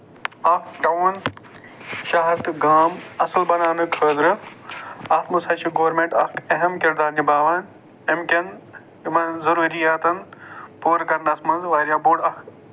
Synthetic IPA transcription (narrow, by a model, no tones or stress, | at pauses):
ɐɖɐun | ʃaːɦɐɾt̪ɡaːmɐsɨlbɐnaːnɨkʰəːd̪ɾɨ | aːt̪mɐsɐːʃiɡoːɾmẽːɳʈɐkɐɦɐmkɪɾd̪aːɾnibaːʋɐn | emkʲɐn | mɐnzɐɾuːɾijaːt̪ɐnpuːɾkɐɾnd̪ɐsmɐnzʋaːɾjaːboːɽɐk